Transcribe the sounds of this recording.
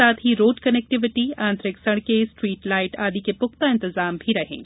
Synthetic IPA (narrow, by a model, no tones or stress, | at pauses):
aːt̪ɦiɾoːɖkɐnek̚ʈɪʋɪʈiãːnt̪ɾɪksɐɽ̃kesʈɾiːʈlaːɪʈaːd̪ikepʊk̚t̪aɪ̃nt̪ɪzaːmbʱiɾɐɦḛ̃ː